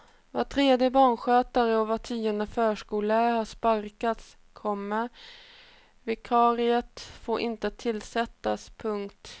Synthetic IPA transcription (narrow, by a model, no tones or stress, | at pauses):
vat̪ʰɾeːd̪jəbɑːɳɧøːt̪aɾəɔvat̪ʰiːɔnd̪əfœːʂkuːlaɾhaʂpaɾkat̪s | kʰɔmːəɾ | vɛkʰɑːɾɪət̪foːɾʔɪnt̪ət̪ʰɪlːsɛt̪ːaspʰɵŋkt̪